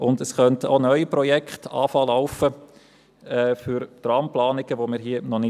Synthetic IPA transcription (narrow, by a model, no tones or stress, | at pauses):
ʊndəsχœntəonœʏipɾɔjɛkχtɑ̰ːfɑːlaʊfə | ɛːfyɾt̪rɑːmplɑːnɪɡ̥əʋomɪːɾɦiənɔnɪ